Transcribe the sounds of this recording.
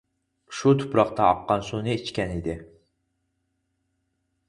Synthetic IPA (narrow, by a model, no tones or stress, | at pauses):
ʃut̪ʰʊ̥pɾɑqt̪ɑɑqːɑnsunɨet͡ʃkʲɛnid̪ɪ